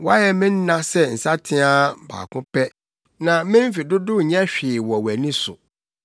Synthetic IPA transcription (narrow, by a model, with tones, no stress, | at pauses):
wa˦jɛ˨mɪ̃˦n̩ː˦ã˦sɛ˦n̩˨sa˦tʰɪ̃˦a˦ba̰ː˨kʊ̃˦pɛ˦ | nã˨mɪ̃˦m̩˦fi˨dʊ˦dʊ˦ɲɛ̃˦ɕᶣɪ˨wɔ˨wæ˨nĩ˦sʊ̰˨